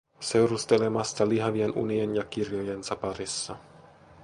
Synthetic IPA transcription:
se̞wɾust̪e̞le̞mɑst̪ɑliɦɑʋienṵnienjɑk̟irjoje̞nsɑpɑɾisːɑ

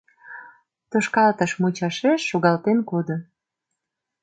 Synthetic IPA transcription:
t̪oʃkɑlt̪əʃmut͡ɕɑʃeʃːoɣɑlt̪enkod̪o

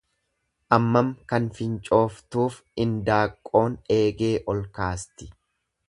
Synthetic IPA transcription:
ʔɐmːɐmkɐnfɪnt͡ʃʼo̞ːft̪uːf | ɪnd̪aːkʼːo̞ːne̞ːɡe̞ːʔɔlkaːst̪ɪ̥

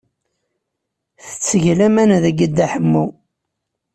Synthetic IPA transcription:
θə̥t͡sːəʝlæmænðəɡəd̪ːæħəmːu

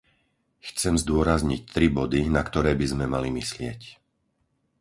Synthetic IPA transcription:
xt͡sɛmzd̪ʊɔɾazɲic̚t̪ɾibɔd̪inakt̪ɔɾɛːbizmɛmalimislɪɛc

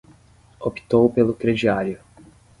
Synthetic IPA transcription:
opi̥t̪owpelʊkɾed͡ʒiaɾjʊ

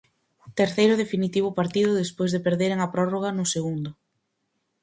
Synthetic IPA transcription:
t̪eɾθejɾʊðefinit̪iβ̞ʊpaɾt̪iðʊðespojzðepeɾðeɾeŋɐpɾɔroɣ̞ɐnʊseɣund̪ʊ

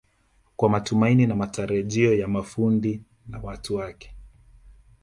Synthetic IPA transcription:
kwamatumaininamataɾaʄiɔjamafundi | nawatuwakɛ̥

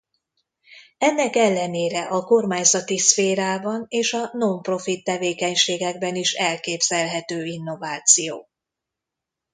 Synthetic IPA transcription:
ɛnːɛkɛlːɛneːɾɛʔɒko̞rmaːɲzɒt̪isfeːɾaːbɒneːʃɒno̞mpro̞fit̪ːɛveːkɛɲʃeːɡɛɡ̚bɛniʃɛlkeːbz̥ɛlɦɛt̪øːinːo̞vaːt̪sijo̰ː

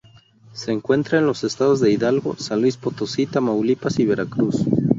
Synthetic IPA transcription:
se̞ːŋkwe̞nt̪ɾaenlo̞se̞st̪aðo̞zðe̞iðalɣo̞̰sanlwispo̞t̪osit̪amawlipasiβe̞ɾakɾus

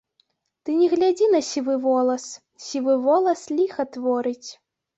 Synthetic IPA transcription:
t̪ɨnʲɛɣlʲad͡zʲinɐsʲivɨvɔlˠɐs | sʲivɨvɔlˠɐslʲixɐt̪vɔɾɨt͡sʲ

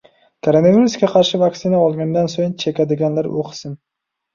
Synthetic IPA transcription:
kʰaɾonevʲiɾuskʲaqʰɑɾʃɪvaksɪnaɒlˠɡʲand̪ansojnt͡ʃʰe̞kʲʰad̪ɪɡʲanlaɾʊqʰɨ̥sɪn

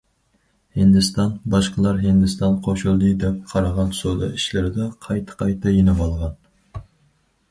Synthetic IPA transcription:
hɪnd̪ɪst̪ɑnbɑʃqəlˠɑɾɦɪnd̪ɪst̪ɑnqʰoʃulˠd̪ɨd̪ɛp̚qʰɑɾɑʁɑnsod̪ɑ̰iʃlɪɾɪd̪ɛqʰɑjt̪ʰɨ̥qʰɑjt̪ʰɑjenɨwɑlˠʁɑn

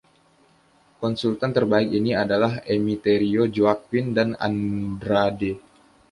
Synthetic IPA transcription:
kɔnsult̪ant̪ərbaɪkiniadalaɦemit̪eɾiod͡ʒoak̚windana̰ndɾade

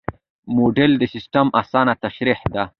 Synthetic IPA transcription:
moɖeld̪əsɪsʈamasɑːnat̪aʃɾiħd̪a

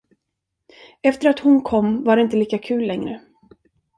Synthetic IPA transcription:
ɛft̪əɾat̪hʊnkʰɔmːvaɖɛɪnt̪əliːkakʰʉ̟ːlːɛŋɾə

